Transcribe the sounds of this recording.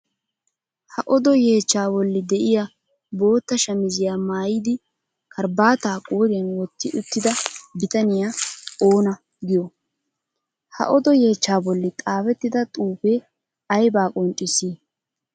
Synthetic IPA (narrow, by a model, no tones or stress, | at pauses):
hɐʔɔd̪ɔje̞ːt͡ʃːaːbɔlːɪd̪ɛʔɪja | bo̞ːt̪ːɐʃɐmɪzɪjaːmaːjiːd̪ɪ | kʰɐɾbaːt̪aːkʼoːɾɪjɐnwɔt̪ːɪʔʊt̪ːɪd̪ɐbɪt̪ɐnɪjao̞ːnɐ | ɡɪjɔ | hɐ̰ʔɔd̪ɔje̞ːt͡ʃːaːbɔlːɪt̪ʼaːfɛt̪ːɪd̪ɐt̪ʼuːpe | ɐjbaːkʼɔnt͡ʃʼːɪsiː